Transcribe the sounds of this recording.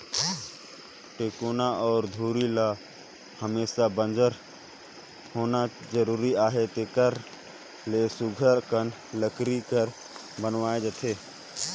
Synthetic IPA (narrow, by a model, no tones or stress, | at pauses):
ʈeːkoːnaɔːɾd̪ʱuːɾila | həmeːsabə̃nd͡ʒəɾ | hoːnad͡ʒəɾuːɾiaːɦet̪ekəɾ | lesʊɡʱəɾkən | ləkɾikəɾ | bənʋaːed͡ʒət̪ʰeː